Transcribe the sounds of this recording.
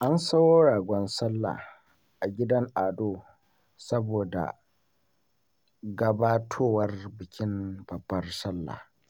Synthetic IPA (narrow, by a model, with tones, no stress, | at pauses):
ʔa˦nsɐ˦woː˦ɽaː˨ɡʷɔ˦nsɐ˦lːa̰˨ | ʔa˨ɡʲɪ˦dɐ˦ŋʔaː˨doː˦ | sɐ˦boː˨da̰˨ | ɡɐ˦baː˦tʰoː˦wɐ˦rbɪ˨kʲɪ˦mb̥ɐ˨bːɐ˦rsɐ˦lːa̰˨